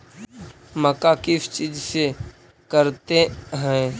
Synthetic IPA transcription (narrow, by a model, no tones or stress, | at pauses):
məkakɪft͡ʃid͡ʒse | kəɾt̪eɦɛ̃ː